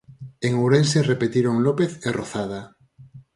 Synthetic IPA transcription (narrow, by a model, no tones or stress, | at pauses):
eŋuɾenserepet̪iɾoŋlopeθeroθaða